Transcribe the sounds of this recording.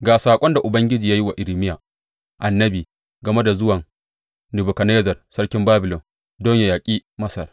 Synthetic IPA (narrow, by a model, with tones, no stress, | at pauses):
ɡaː˨saː˨kʷʼɔ˦nda˨ʔʊ˨bɐ˦ŋɡʲɪ˦d͡ʒiː˨ja˦ji˦wa˨ʔɪ˨ɾɪ˨mɪ˦jaː˨ | ʔa˨nːɐ˦biː˨ | ɡɐ˨me˦da˨zʊ˦wɐ˨ŋ | nɪ˨bʊ˨kɐ˨neː˦zɐ˨rsɐ˦ɽkʲɪ˦mbaː˦bɪ˨lɔ˨n | dɔ˦ɲja˨jaː˨kʲʼiː˦mɐ˦sɐ˨r